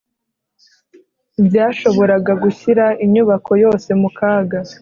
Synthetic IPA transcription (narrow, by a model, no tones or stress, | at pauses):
bjaːʃo̞βo̞ɾaɡaɡuçiɾaʔiɲɲuβakʰo̞jo̞ːse̞mukaːɡa